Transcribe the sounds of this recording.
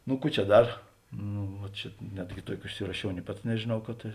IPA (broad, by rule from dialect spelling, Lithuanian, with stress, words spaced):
nʊ ˈkuː t͡ʃʲɛ ˈdɐr ˈnʊ ʋɐ ˈt͡ʃʲɛ ˈnʲæːdʲɡʲɪ ˈtuɔkʲɪ ʊʃʲsʲɪrɐˈʃʲɛʊ nʲeː ˈpɐts nʲɛʒʲeːˈnɐʊ kɐt ˈtɐ